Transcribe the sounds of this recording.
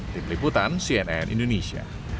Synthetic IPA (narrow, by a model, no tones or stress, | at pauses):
t̪imliput̪ansiɛnɛnʔḭndonesia̰